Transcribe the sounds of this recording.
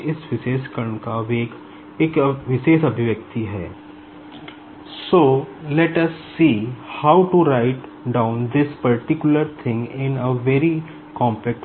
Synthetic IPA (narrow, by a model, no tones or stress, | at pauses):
ɪsʋɪʃeːʃkəɾəɳkaʋeːɡ | eːkʋɪʃeːʃɐbʱɪʋjək̚t̪iɦɛ̰ː | soːlɛʈɐsːiːhaʊʈuɾaɪʈɖãʊ̃nd̪ɪspəɾʈɪkjʊləɾt̪ʰɪ̃ŋɡɪ̃nəʋɛɾi | kɔ̃ːmpɛk̚ʈ